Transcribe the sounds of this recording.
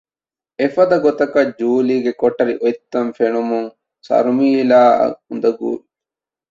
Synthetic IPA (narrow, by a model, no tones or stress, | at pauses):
efɐd̪ɐɡot̪ɐkɐd͡ʒuːliːɡekoʈːɐɾiʔojt̪ːɐmfeɳumuŋ | sɐ̰ɾumiːlaːɐ̰und̪ɐɡṵːli